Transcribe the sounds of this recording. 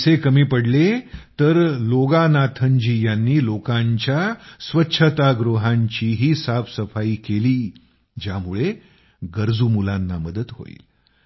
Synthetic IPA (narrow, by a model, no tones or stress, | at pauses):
sekəmiːpəɽlet̪əɾloɡanat̪ʰəɲd͡ʑiːjanːiːlokãɲt͡ɕjasʋətːɕʰət̪aɡɾoɦãɲt͡ɕiːɦiːsapsəfaiːkeliː | d͡ʑjamuɭe | ɡəɾd͡zumulãnːaməd̪ət̪ɦo̰ḭːl